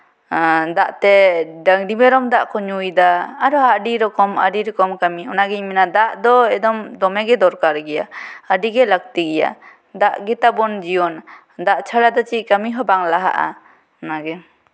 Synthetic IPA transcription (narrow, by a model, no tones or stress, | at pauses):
d̪aʔt̪ɛdaŋdimɛɾɔmd̪aʔkɔɲujd̪aːɾɔɦaʔɖiɾɔkɔma̰ɖiɾɔkɔmkamiɔnaɡɛɲmɛnad̪aʔd̪ɔɛd̪ɔmd̪ɔmɛɡɛd̪ɔɾkaɾɡɛja̰əɖiɡɛlak̚t̪iɡɛja̰ | d̪aʔɡɛt̪abɔnd͡ʒiɔn | d̪aʔt͡ʃʰaɽad̪ɔt͡ʃiʔ̚kamiɦɔbaŋlaɦa̰ʔa̰ | ɔnaɡɛ